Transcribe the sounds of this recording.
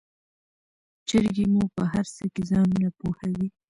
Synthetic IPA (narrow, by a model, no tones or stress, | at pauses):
t͡ʃəɾɡemupəɦaɾsəkezɑnunapohawi